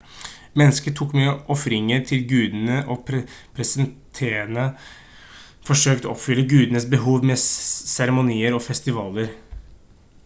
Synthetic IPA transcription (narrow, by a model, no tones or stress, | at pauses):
mɛnːəskəʈ̪ʰuːkmyːəʔɔfɾɪŋəɾt̪ʰɪlɡʉːd̪nəʔɔpʰɾɛsɪd̪ɛnt̪ʰeːənə | fɔʂøːkt̪əɔɔpfʏlːəɡʉːd̪nəsbəɦuːʋmɛsæɾɛmʊniːəɾɔfɛst̪ɪʋɑːləɾ